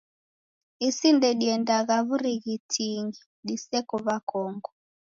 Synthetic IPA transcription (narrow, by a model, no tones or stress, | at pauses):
isindɛɗiɛndak̬aβuɾiɣitʰiŋɡi | ɗisɛkɔβakʰɔːŋɡɔ